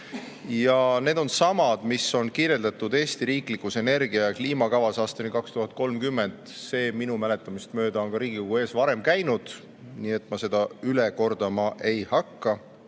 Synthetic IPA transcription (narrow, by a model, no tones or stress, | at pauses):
jɑne̞ːd̪̥o̞nsɑmɑd̪̥miso̞nkiːɾje̞ld̪ɑt̪ːˑud̪̥e̞ːst̪iɾiːklikːˑuse̞ne̞rɡiɑjɑkliːmɑkɑvɑsɑːst̪ɑnikɑkst̪uɦɑt̪̚ˑko̞lmkymːe̞nd̪̥se̞ːminumæle̞t̪ːˑɑmist̪mø̞ːd̪̥ɑo̞nkɑɾiːɡ̥ikuɡue̞ːsvɑɾe̞mkæjnud̪̥ | niːe̞t̪ːˑmɑse̞d̪̥ɑyle̞ko̞rd̪̥ɑmɑʔe̞jhɑkːɑ